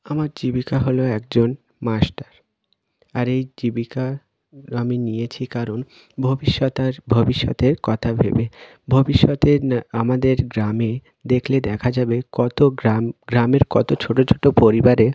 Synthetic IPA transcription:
amaɾd͡ʑibikaɦoloɛk̚d͡ʑon | masʈaɾ | aɾejd͡ʑibika | aminijet͡ɕʰikaɾon | bʱobiʃːɔt̪aɾbʱobiʃːɔ̰t̪eɾkɔt̪ʰabʱḛbe | bʱobiʃːɔt̪eamad̪eɾɡɾame | d̪ekʰled̪ɛkʰad͡ʑabekɔt̪oaɡɾameɾkɔt̪ot͡ɕʰoʈot͡ɕʰoʈopoɾibaɾe

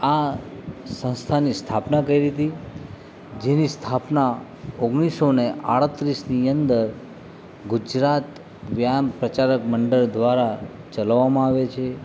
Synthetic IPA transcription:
a | sə̃nst̪ʰanist̪ʰapnakəiɾit̪i | d͡ʒenist̪ʰapna | oɡɽ̃isoneʔa̰ɽət̪ɾisniənd̪əɾ | ɡud͡ʒɾat̪ | ʋjampɾət͡ʃaɾəkməɳɖəɭd̪ʋaɾa | t͡ʃəlʋːamãaʋet͡ʃʰe

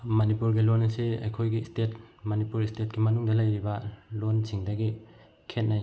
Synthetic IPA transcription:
mɐnipuɾɡilonɐsiɐ̰jkʰojɡistet̚mɐnipuɾistet̚ɡimɐnuŋdɐlɐjɾibɐlonsʰiŋdɐɡi | kʰet̚naj

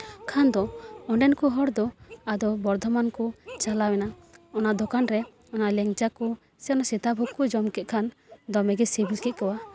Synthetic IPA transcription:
kʰand̪ɔɔɳɖɛnkɔɦɔɽd̪ɔad̪ɔbɔɾd̪ʱɔmankɔt͡ʃalawɛnaɔnaʔd̪ɔkanɾɛ | ɔnaʔlɛŋd͡ʒakɔ | sɛɔnasɛt̪abʱɔkɔd͡ʒɔmkɛt̪̚kʰan | d̪ɔmɛɡɛsebilkɛt̪̚kɔwa

